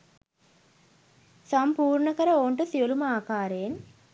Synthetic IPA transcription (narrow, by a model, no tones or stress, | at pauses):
sampuːɾɳəkəɾəoːɳʈəsiolumaːkaːɾejen